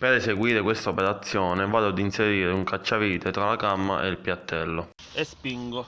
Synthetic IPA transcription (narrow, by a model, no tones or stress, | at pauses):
peɾeseɡwiːɾekwest̪aopeɾat̪sːjɔːnevaːd̪oad̪inseɾiːɾeuŋkat͡ʃːaviːt̪et̪ɾalakamːa̰ʔḛilpjat̪ːɛlːo | espiŋɡo